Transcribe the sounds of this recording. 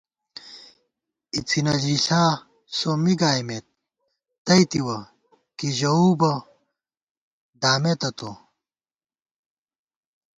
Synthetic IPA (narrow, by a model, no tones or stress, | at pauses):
it͡sʰinɐd͡ʑiɬaː | somiɡaːjmet̪̚ː | ɐit̪iwɐ | kiʑɐuːbɐ | d̪aːmet̪ɐt̪o